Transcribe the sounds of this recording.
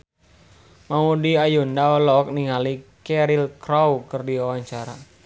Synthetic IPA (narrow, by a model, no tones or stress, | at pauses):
maudiajundaɔlɔk̚niŋalikɛɾilkɾawkɨrdiwawaɲt͡ʃaɾa